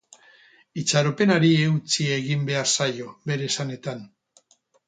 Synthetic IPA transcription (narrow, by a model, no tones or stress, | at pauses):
it͡saɾope̞naɾieut͡sie̞ɣimbe̞aɾsajo̞βe̞ɾe̞sane̞t̪an